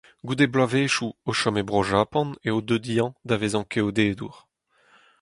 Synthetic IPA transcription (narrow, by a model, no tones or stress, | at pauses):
ɡud̪eblaveːʃuoʃɔmebʁɔʒaːpɑ̃neod̪ød̪ijɑ̃d̪avezɑ̃keod̪eːd̪ṵʁ